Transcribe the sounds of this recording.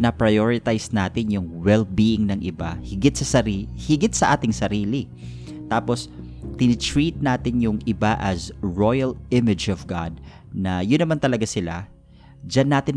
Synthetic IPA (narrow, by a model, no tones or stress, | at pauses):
nɐpɹɐjoɹɪt̪ajsnaːt̪ɪnjʊŋwɛlbiːʔɪŋnɐŋʔɪba̰hɪɡɪt̪sɐsɐhɪɡɪt̪̚sɐʔaːt̪ɪŋsɐɾiːlɪ | t̪aːpos | t̪ɪnɪt̪ɹiːt̪̚naːt̪ɪnjʊŋɪbaʔɐsɹojɐlɪmɪd͡ʒɔvɡad̪̚ | nɐjʊnɐmant̪ɐlɐɡasɪla̰ | d͡ʒanːaːt̪ɪn